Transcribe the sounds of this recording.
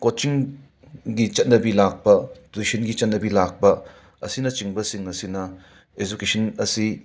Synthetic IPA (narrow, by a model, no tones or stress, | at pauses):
kot͡ʃiŋ | ɡit͡ʃɐt̚nɐbilak̚bɐtisinɡit͡ʃɐt̚nɐbilak̚bɐ | ɐ̰sinɐt͡ʃiŋbɐsiŋɐsinɐ | ed͡ʒukesʰɐnɐsi